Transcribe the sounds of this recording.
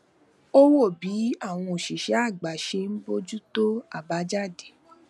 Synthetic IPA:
o˦wo˦˨bi˨˦a˦˨w̃ɔ̃˧o˨ʃi˨ʃɛ˨˦a˦˨ɡ͡ba˨ʃe˧n̩˦bo˧d͡ʒu˦to˦a˦˨ba˨˦d͡ʒa˦˨de˨

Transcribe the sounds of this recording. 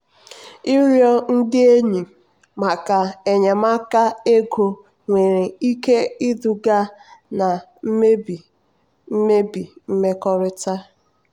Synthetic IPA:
i˦ɾjɔ˦n̩˦dɪ˦e˦ɲi˨ | ma˨ka˨e˨ɲe˨ma˦ka˦e˦ɡo˨ | ŋʷe˨ɾe˨i˦ke˦i˦du˨ɡa˦na˨˦˨ | me˦bi˨m̩˦me˦kɔ˦ɾɪ˦ta˦

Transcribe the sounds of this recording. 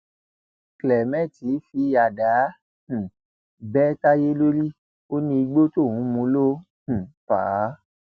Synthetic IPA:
klɛ˨mɛ̃˦˨ti˨˦fi˧˦ja˨dã˨˦˨ | bɛ˦ta˦je˦lo˦ɾi˦ | o˦nĩ˧i˧ɡ͡bo˦to˦˨wũ˨˦mũ˧˦lõ˦˨ | pa̰˨˦

